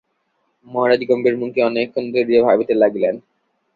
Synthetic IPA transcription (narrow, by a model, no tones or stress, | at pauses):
mɔɦaɾad̪ikɔmbeɾmuŋkeɔnekʰːond̪oɾiebʱabit̪elaɡlen